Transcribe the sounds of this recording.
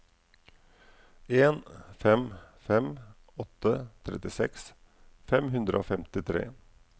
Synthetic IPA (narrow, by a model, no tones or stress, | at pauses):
eːnfɛmfɛm | ɔt̪ːət̪ʰɾɛ̰t̪ɪsɛks | fɛmɦʉnd̪ɾəʔo̰ːfɛmt̪ɪt̪ʰɾḛː